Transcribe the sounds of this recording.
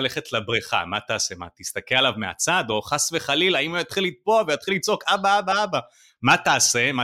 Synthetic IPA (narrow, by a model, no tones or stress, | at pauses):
leχetlabʁiχa̰mat̪aːsema̰t̪ist̪akelalavmea̰t͡sad̪o̞χasveχalilaimujjat̪χilit̪̚poavejat̪χilːit͡so̞kabaabaaba | mat̪aːse̞ma